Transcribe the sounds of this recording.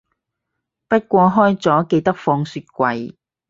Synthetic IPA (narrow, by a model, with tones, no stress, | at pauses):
pɐ˥t̚kʷɔː˧ɦɔː˥jt͡sɔː˨˥ke˧jt̪ɐ˥k̚fɔː˧ŋsyː˧˥t̚kʷɐ˧j